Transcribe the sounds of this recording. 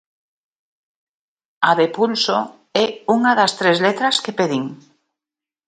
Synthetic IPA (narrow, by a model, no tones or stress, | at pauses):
aðepulso | ɛuŋaðast̪ɾezlet̪ɾaskepeðiŋ